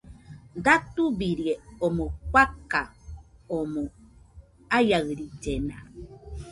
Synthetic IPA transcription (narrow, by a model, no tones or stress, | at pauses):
nd̪at̪ubiɾjeomokʷakaomo | ajaɣɾid͡ʒena